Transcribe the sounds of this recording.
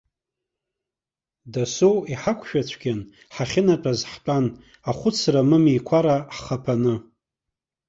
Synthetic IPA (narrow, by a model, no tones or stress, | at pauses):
dasowiħakʷʰʃᶣat͡ʃʷʰɡʲan | ħaχʲɪnatʼazħt͡pʷʼan | aχʷʊt͡sʰramɨmijkʷʰaɾaħχapʰanɨ